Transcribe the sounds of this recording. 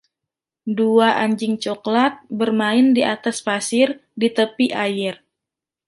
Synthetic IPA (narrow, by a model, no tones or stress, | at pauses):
duaʔaɲd͡ʒɪŋt͡ʃoklat̪̚bərmaɪndiʔat̪aspasɪrdit̪əpiʔajɪr